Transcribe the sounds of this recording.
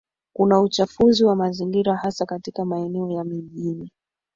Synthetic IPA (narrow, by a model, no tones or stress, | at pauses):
kunaut͡ʃafuziwamaziŋɡiɾahasakatikamaɛnɛɔjamiʄini